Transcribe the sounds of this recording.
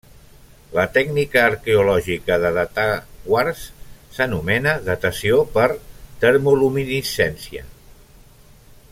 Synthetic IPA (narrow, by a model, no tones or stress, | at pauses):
lət̪ɛɡnikəːɾkeulɔʒikəðəðət̪aɣwarsːənumɛnəðət̪əsiopəɾt̪əɾmuluminisɛnsiə̰